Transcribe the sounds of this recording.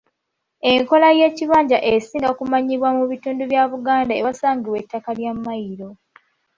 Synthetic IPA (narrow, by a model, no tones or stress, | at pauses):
e̞ŋko̞laje̞ːciβaːɲɟaʔesiːŋɡakumaɲiβwamuβituːnduβjaβuɡaːndaewasaːŋɡiwetːakaljamːajiɾo̞